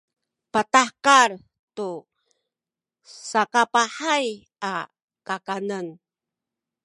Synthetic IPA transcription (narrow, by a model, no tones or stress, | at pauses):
patakaɾ | tu | sakapaħaj | a | kakanən